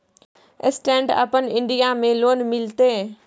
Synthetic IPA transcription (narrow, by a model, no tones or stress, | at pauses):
ɪ̰sʈẽːɳɖə̰pənɪ̃ɳɖijamẽloːnmɪlt̪eː